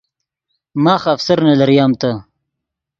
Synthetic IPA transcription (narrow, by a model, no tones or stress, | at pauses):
maːxːfsɐɾnalɐɾijaːmt̪a